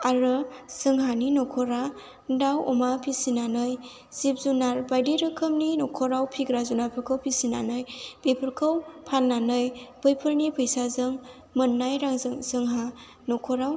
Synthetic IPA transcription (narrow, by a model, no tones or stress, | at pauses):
aɾɯsɯŋɦaninɔkʰɔɾa | dawɔmapʰisinanɯj | zip̚zunaɾbajdiɾɯkʰɯmninɔkʰɔɾawpʰiɡɾazunapʰɯɾkʰəwpʰisina̰nɯjbepʰɯɾkʰɯwpʰalnanɯjb̥ɯjpʰɯɾnipʰɯjsazɯŋ | mɯnːajɾaŋzɯŋsɯŋɦa | nɔkʰɔɾaw